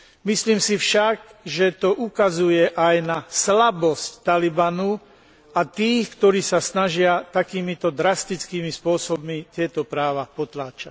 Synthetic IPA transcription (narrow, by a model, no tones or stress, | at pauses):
misliːmsifʃaɡʒɛt̪ɔʔukazujɛʔajnaslabɔsct̪alibanu | at̪iːxkt̪ɔɾiːsasnaʒɪat̪akiːmit̪ɔd̪ɾast̪it͡skiːmispʊɔsɔbmit̪ɪɛt̪ɔpɾaːʋapɔt̪laːt͡ʃac̚